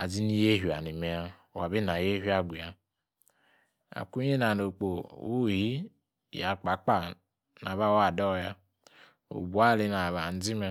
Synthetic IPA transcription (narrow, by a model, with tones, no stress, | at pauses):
a˨zi˦ni˦je˦ɦi˨a̰˨ni˨me˦a˦˨ | wa˨bi˦n˨a˨je˦ɦi˦a˦ɡʷi˨ja˦ | a̰˨ku˦e˦na˨no˨k͡po˨u˦˨hi˦ | ja˨k͡pa˨˦k͡pa˦ | na˨βa˦wa˦˨dɔ˦˨ja˦ | o̰˨bu˨a˦˨li˦na˨βa˨n̩˦d͡zi˦me˦